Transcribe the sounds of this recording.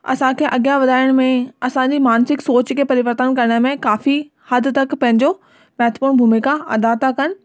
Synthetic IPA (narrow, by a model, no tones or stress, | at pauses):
ɐ̰sãkʰeːʔɐɠjaʋɐd̪ʱaːɪɽ̃mẽɐsãd͡ʑiːmaːnsɪksoːt͡ɕkʰeːpɐɾɪʋəɾt̪ənkɐɾɪɽ̃əmẽkaːfi | hɐd̪ʱt̪ɐkpɐ̃ɦɪ̃ɲd͡ʑo | mɛɦt̪pũːbʱumɪikãɐd̪at̪ʰakɐnɪ̆